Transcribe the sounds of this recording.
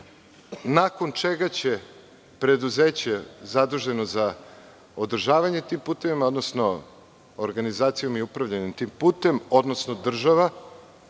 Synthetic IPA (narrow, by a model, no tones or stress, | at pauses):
nako̞nt͡ʃe̞ɡat͡ɕe̞ | pɾe̞d̪uzeːt͡ɕezad̪uʒe̞no̞za | od̪r̩ʒaːʋaɲe̞t̪impuːt̪e̞ʋimao̞d̪nosno̞ | oɾɡanizaːt̪sijo̞miupɾaʋʎaɲimt̪impuːt̪e̞mo̞d̪nosno̞d̪r̩ʒaʋa